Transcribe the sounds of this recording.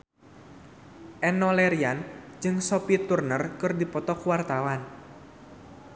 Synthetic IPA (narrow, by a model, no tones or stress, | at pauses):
ʔɛnɔlɛɾiand͡ʒɨŋsɔpit̪urnərkɨrdipɔt̪ɔkuwart̪awan